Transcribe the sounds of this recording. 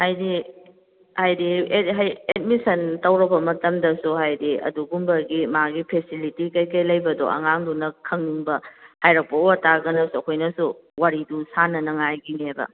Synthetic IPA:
hajdi | hajdiɦajet̚misɐntɐwɾɐbɐmɐtɐmdɐsuhajdiɐ̰duɡumbɐɡimaɡipʰesilitikɐjkɐjlɐjbɐdo̰ʔɐ̰ŋaŋdunɐkʰɐŋniŋbɐhajɾɐpɐowɐtaɡɐnɐsuɐkʰojnɐsuwaɾidusanɐnɐŋajɡinebɐ̰

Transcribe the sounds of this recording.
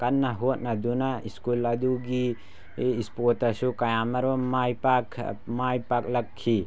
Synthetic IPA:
kɐnːɐɦot̚nɐd̪unaiskulɐd̪uɡi | ispotɐsukajamɐɾbamajpakʰmajpak̚lɐkʰːi

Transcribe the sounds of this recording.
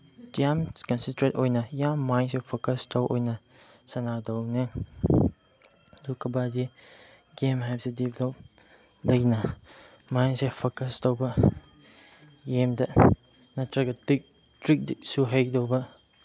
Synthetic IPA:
diamkɔnsintɾetojnɐjamːajnsepʰokɐstʰɐwʔo̰jnɐ | sɐnadɔwnɯ | dukɐbadi | ɡemɦapsediblɔp̚ | lɐjnɐ | majnsepʰokɐstʰowbɐ | ɡemdɐ | nɐtɾɐɡɐtik̚ | tɾik̚disuɦej̚dowbɐ

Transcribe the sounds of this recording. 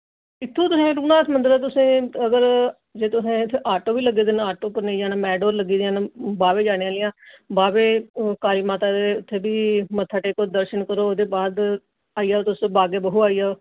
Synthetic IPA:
ɪt̪ʰːũːt̪ʊsẽːɾuːnaːt̪mənd̪əɾat̪ʊsẽːəɡəɾ | d͡ʒeːt̪ʊsẽːɪt̪ʰːeʔaːɾʈoːbiːləɡeːd̪eːnːaːʈoːpəɾneːd͡ʒaːnaːmɛːɖoːɾləɡiːd̪eãːnbaːʋeːd͡ʒaːnãːlɪjãːbaːʋeːkaːliːmaːt̪aːd̪eːʊt̪ʰːeːbiːmət̪ʰːaːʈeːkoːd̪əɾʃənkəɾoːoːd̪eːbaːd̪ | aːiːaːt̪ʊsbaːɡeːbəɦuːaːijaː

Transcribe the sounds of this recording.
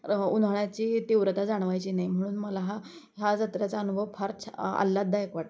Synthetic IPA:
unʱəɳjat͡ɕiːt̪iʋɾət̪ad͡zaɳ̃ʋajt͡ɕiːnajm̤əɽ̃uːnməlaɦa | ɦjad͡zət̪ɾjat͡saənubʱəʋfʰaɾt͡ɕʰə̰lːad̪ʱːaekʋaʈ

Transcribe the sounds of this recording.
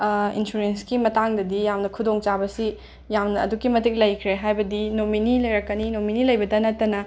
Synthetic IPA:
ḭnsuɾenskimɐtaŋdɐdijamnɐkʰudoŋt͡ʃabɐsi | jamnɐ̰ːdukimɐtik̚lɐjkʰɾeɦajbɐdinominilɐjɾɐkːɐninominilɐjbɐdɐnɐtːɐnɐ

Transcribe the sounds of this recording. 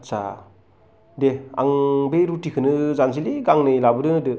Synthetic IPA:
sa̰ | dea̰ŋbejɾutikʰɯnɯzans̬iliɡaŋnɯjlabɯɾɯnɯdɯ

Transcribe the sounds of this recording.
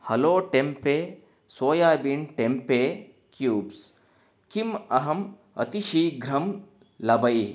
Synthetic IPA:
hɐloːʈempeː | soːjaːbiɳʈempeː | kjuːbs | kimɐɦɐm | ɐ̰t̪iʃiːɡɾɐm | lɐbɐj

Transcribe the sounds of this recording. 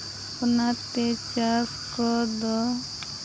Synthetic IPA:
punat̪et͡ʃaskɔd̪ɔ

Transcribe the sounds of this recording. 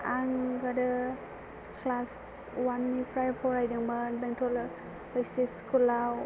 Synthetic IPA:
aŋɡadɯ | kʰlas | wanːipʰɾajpʰɔɾajdaŋbanbɛŋtʰɔl | bɔjsiskʰulaw

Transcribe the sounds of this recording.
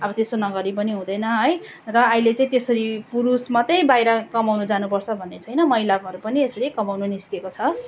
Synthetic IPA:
ʌbʌt̪esonʌɡʌɾip̬ʌniɦũd̪ʌjnʌɦʌj | rʌailet͡saĩt̪esʌɾipuɾusmʌt̪ʌj̃bajɾʌkʌmawnud͡zanupʌrt͡sʰʌbʱʌnːet͡sʰʌjnʌmʌilabʱʌɾupʌniesʌɾikʌmawnuniskekot͡sʰʌ

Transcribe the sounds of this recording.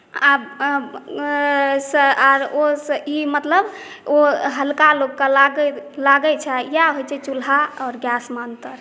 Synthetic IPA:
ab | səaɾosimət̪ləb | oɦəlkalokːəlaɡlaɡət͡ʃʰɛjaɦojt͡ʃʰɛt͡ʃulɦaɔːɾɡjasmənt̪əɾ

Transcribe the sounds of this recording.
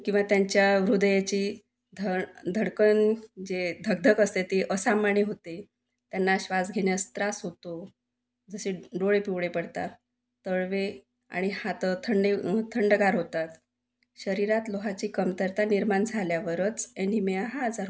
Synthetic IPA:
kĩw̃ʋat̪jaɲt͡ɕjaʋɾud̪əjat͡ɕiː | d̪ʱəd̪ʱəɽkənd͡ʑed̪ʱəɡ̚d̪ʱəkəst̪et̪eʔəsamaɳiɦot̪e | t̪janːaɕʋad͡zɡʱeɳjast̪ɾasɦot̪o | d͡zəseɖoɭepiʋɽepəɽt̪a̰ | t̪əɭʋe | a̰ɽ̃ihat̪ət̪ʰəɳɖet̪ʰəɳɖəɡaɾɦot̪at̪ | ɕəɾiɾat̪loɦat͡ɕiːkəmt̪əɾt̪aniɾmand͡zʱaljaʋəɾət͡senimeɦad͡zaɾ

